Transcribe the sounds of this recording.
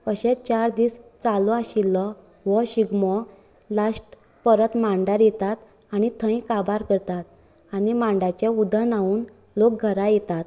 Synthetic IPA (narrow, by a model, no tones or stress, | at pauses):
əɕɛt͡ɕaɾd̪iːst͡salɔaɕilːɔ | ʋɔɕiɡmɔ | lasʈ | pəɾət̪mãɳɖaɾjɛt̪at̪ | añit̪ʰə̃j̃kabaɾkəɾt̪at̪̚ | añimãɳɖat͡ɕjaud̪ʱanauːn | lok̚ɡʱəɾajɛt̪at̪̚